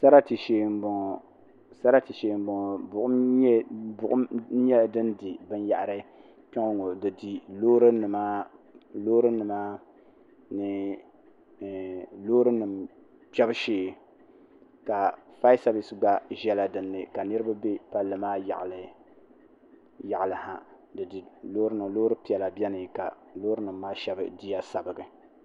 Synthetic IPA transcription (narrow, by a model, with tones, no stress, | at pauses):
sa˦ɾa˦ti˨ʃeː˨mbʊ˨ŋ˨ | sa˦ɾa˦ti˨ʃeː˨m˦bʊ˨ŋ˨bʊ˨ʔʊ˦ | bʊ˨ʔʊ˦ɲɛ˦˨dɨ˦ndi˨bɨ˦n˦ja˨ʔa˨ɾɨ˦ | pɛ˦ŋo˦ŋo˨dɨ˨di˨loː˦ɾɨ˦nɨ˨maː˦ | loː˦ɾɨ˦nɨ˨maː˦ | nɨ˨ | loː˦ɾɨ˦nɨ˨m | pɛ˦bɨ˦ʃeː˨ | ka˨fa˦ɪ˦sa˦bi˨sɨ˦ɡ͡ba˦ʒɛ˦la˨dɨ˨nːɨ˨ka˨nɨ˦ɾɨ˦ba˦be˦pa˦lːɨ˨maː˦j̰ʔl | ja˨ʔlɨ˨ha˨ | dɨ˨di˨loː˦ɾɨ˦nɨ˨m˨loː˦ɾɨ˦pi˨ɛ˨la˨bɛ˦nɨ˨ka˨ | loː˦ɾɨ˦nɨ˨mː˦aː˦ʃɛ˦bɨ̰˨di˦ja˦sa˨bɨ˨ɡɨ˨